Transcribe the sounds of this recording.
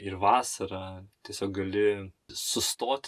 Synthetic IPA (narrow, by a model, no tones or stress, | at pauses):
ɪɾʋɑːsɐɾɑt̪ʲiɛsʲoːk̚ɡɐlʲɪsʊst̪oːt̪ʲ